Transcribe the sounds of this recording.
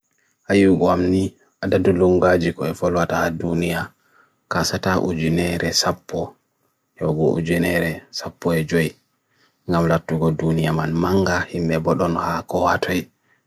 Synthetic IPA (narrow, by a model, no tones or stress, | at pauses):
hajiɡɔamni | ʔadaduluŋɡad͡ʒikɔɛfɔlwataːdunija | kasataʔṵd͡ʒinɛɾʔɛsapʰːɔ | jɔɡɔʔṵd͡ʒinɛɾɛsapːɔɛd͡ʒɔj | ŋɡamlatːuɡɔdunijamanmaŋɡahimɓɛbɔɗɔnhakɔwatʰɔj